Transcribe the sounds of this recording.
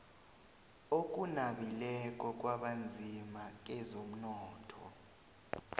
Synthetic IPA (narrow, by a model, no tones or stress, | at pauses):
ok̬ʼunaɓilɛk̬ʼɔk̬ʼwaɓand͡zʱimak̬ɛzom̩nɔːtʰɔ̰